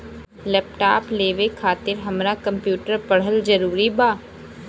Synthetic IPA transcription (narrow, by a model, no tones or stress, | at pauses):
lɛːp̚ʈaːpleːʋekʰaːt̪ɪɾɦɐmɾakɐ̃mpjuːʈəɾpɐɽ̤əlzɐɾuːɾibaː